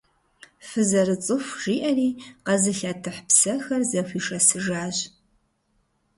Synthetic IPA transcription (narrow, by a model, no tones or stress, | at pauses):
fɨzɐrɨt͡sʼɨfʷʒ̥iːʔɐriːqɐzɨɬaːtʰɨħpsɐxɐrzɐfʷiːʂɐsɨʒaːʑ